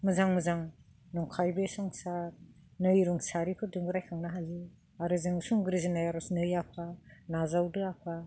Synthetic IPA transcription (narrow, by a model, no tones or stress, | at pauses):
mɯzaŋmɯzaŋ | nɔŋkʰajbesɔŋsanɯjɾuŋsaɾikʰɯdɯŋɡɯɾajkʰaŋnaɦali | aɾɯzɯŋsuŋbɾizinajaɾɔsnɯjapʰanazawdɯapʰa